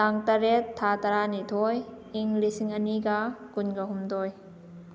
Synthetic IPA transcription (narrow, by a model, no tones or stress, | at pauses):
aŋtɐɾetʰːatɐɾanitʰoj | iŋlisiŋɐniɡakunɡɐɦumdoj